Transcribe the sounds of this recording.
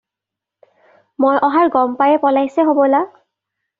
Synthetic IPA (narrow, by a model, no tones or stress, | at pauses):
mojʔɔɦaɹɡɔmpajɛpɔlajsɛɦobɔla